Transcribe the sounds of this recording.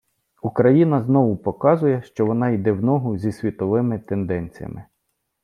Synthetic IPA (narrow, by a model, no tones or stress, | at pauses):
ukɾɐjinɐznɔʋʊpɔkɑzʊjɛʃt͡ʃɔʋɔnɑid̪ɛwnɔɦʊzʲisʲʋʲit̪ɔʋɪmɪt̪end̪ɛnʲt͡sʲijɐ̰mɪ